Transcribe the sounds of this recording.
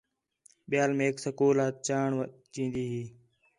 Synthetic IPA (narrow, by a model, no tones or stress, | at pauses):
ɓɪjaːlmẽːksəkoːlaːt̪̚t͡ʃaːɳʋt͡ʃĩːnd̪iːɦiː